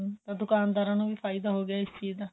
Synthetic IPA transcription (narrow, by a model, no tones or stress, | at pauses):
t̪ãːd̪ʊkaːnd̪aːɾãːnũːʋiːpʰaːɪd̪aːɦoːɡɪaːɪst͡ʃiːd̪aː